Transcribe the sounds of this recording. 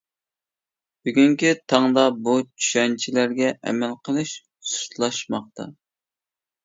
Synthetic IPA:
b̥yɡʲyŋkʲit̪ʰɑŋd̪ɑbut͡ʃʰy̥ʃɛnt͡ʃʰilæɾɡʲɛʔɛ̰mɛlqʰəlˠɨʃ | su̥t̪lˠɑʃmɑχ̚t̪ʰɑ̰

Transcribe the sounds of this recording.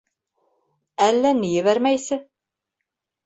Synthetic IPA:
ælːænijɘβæɾmæjsɘ

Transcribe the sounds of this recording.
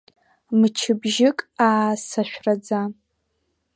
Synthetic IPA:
mɨt͡ʃʰɪbʒɪkʼaːsaʃᶣrad͡za

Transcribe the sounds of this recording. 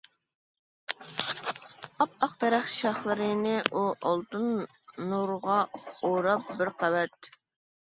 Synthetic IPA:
ɑp̚ɑqd̪ɛɾæχʃɑχlˠəɾɨnɪʔuʔɑlˠt̪ɨnːuɾʁɑoɾɑp̚bɪɾqɑvɛt̪̚

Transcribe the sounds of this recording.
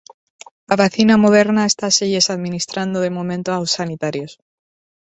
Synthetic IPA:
laβaθinamoð̞e̞ɾnae̞st̪aseʝesaðmĩnist̪ɾand̪oð̞e̞mõmẽnt̪oawsːanit̪aɾjos

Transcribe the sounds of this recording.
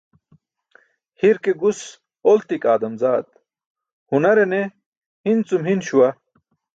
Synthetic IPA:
hiɾkeɡus | olt̪ikaːd̪ɐmzaːd̪̚ | hunɐɾene | hint͡sumɦinɕuwɐ

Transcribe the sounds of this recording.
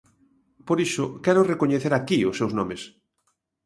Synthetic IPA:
poɾiʃʊkɛɾʊrekoɲeθeɾakiʊsːewznɔmes

